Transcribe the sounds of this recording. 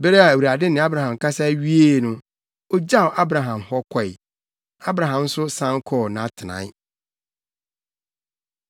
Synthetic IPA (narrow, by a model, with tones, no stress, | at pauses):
bɛ˦ɾɛ˦a˨æ˨wa˨dɪ˦nɪ̃˨˦a˦bɾa˨hã˨m˨kʰa˦sa˦ɥi˦e˦˨nʊ̃˦ | ɔ˦d͡ʑa˦o˨ʔa˦bɾa˨ɦã˨mhɔ˦kʰɔ˨ɪ˨ | a˦bɾã˨ɦã˨m˦sʊ˦sã˦ŋ˦kʰɔ˦˨nã˨˦tʰɪ˨nã̰˨ɪ˦